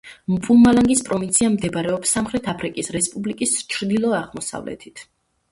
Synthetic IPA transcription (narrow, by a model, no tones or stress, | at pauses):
mpʼulˠmalaŋɡispʼɾɔvint̪sʰiamd̪ɛbaɾɛɔpsːamχɾɛt̪ʰapʰɾikʼisɾɛspʼublikʼist͡ʃʰɾd̪ilˠɔaʁmɔsa̰vlɛ̰t̪ʰit̪ʰ